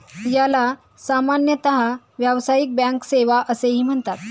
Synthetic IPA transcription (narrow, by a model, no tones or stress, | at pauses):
jala | samanjət̪əɦa | ʋjaʋsajik̚bæ̃ŋkseʋaʔəseɦiːm̤əɳt̪at̪̚